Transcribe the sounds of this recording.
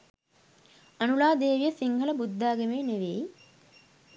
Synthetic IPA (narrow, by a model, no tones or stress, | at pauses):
ɐnulaːd̪eːʋijɐsiŋhɐlɐbud̪ːaːɡemeːneʋeː